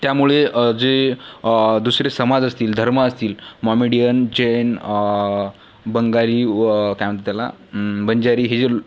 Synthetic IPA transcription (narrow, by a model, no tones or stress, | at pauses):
t̪jamuɭed͡ze | d̪usɾesəmad͡zəst̪iːld̪ʱəɾməːst̪iːlmɔmiɽijənd͡ʑen | bəŋɡaɾiːkaʋt̪t̪jala̰bənd͡ʑaɾiːɦed͡ze